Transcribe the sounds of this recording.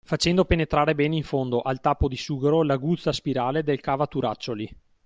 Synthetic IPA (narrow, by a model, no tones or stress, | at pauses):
fat͡ʃɛnd̪openet̪ɾaːɾebɛːneiɱfond̪oʔalt̪aːpod̪isuːɡeɾolaɡut̪sːaspiɾaːled̪elkaːvat̪uɾat͡ʃːoli